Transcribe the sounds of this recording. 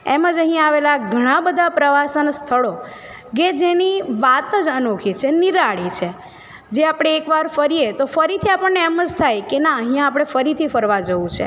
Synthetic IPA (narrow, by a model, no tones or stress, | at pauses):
ḛməd͡ʒəɦĩaʋelaɡʱəɽ̃ãbəd̪ʱapɾəʋasənst̪ʰəɭo | ked͡ʒeniʋat̪əd͡ʒənokʰit͡ʃʰeniɾaɭit͡ʃʰe | d͡ʒeapɽ̃eːkʋaɾfəɾijet̪ofəɾit̪ʰiapəɳnːeːməd͡ʒt̪ʰajkenaəɦĩjãːpɽ̃efəɾit̪ʰifəɾʋad͡ʒəʋũt͡ʃʰḛ